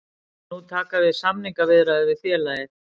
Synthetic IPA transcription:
nut̪ʰaːkavɪðsamniŋkavɪðɾaðvɪðθfjɛːlajɪ

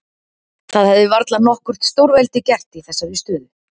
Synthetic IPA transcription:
θaðhɛvðɪvaɾt̪lanɔhkʏr̥t̪st̪owɾvɛlt̪ɪcɛr̥t̪iθɛsːaðist̪ʏːðʏ

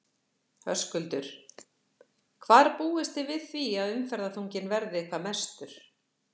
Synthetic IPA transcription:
hœ̰skʏlt̪ʏɾ̥ | kʰvaːɾpuːɪst̪ɪvɪðθviaðʏmfɛɾðaθuɲcɪnvɛɾðɪkʰvamɛ̥st̪ʏɾ̥

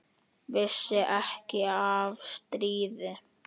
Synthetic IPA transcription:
vɪsːɪʔɛhcɪavst̪ɾiːðɪ

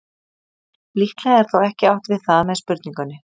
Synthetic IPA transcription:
liht̪lɛaɛɾ̥θawɛhcɪawht̪vɪðθaðamɛðspʏɾt̪niŋkʏnːɪ

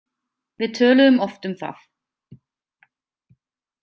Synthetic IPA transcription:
vitʰøːləmɔftɪmfa̰f

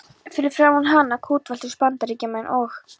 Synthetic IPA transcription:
fɪɾɪɾ̥fɾaːwunɦanːakʰuːt̪valt̪ɪ̥spant̪aɾiːcɪmɛjnʔɔx

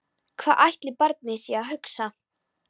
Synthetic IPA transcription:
kʰvaːʔajht̪lɪpaɾt̪̚nɪsjɛaɦʏksa

